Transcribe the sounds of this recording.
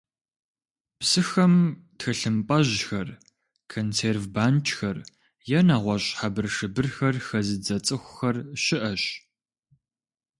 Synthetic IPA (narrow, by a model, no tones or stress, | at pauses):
psɨxɐmtxɐɬɨmpʼɐʑxɐr | kʰonseːrvbaːnt͡ʃʰʼxɐr | jɛnaːʁʷɔɕʼħabɨrʂɨbɨrxɐrxɐzɨd͡zɐt͡sʼɨxʷxɐrɕɪʔɐɕ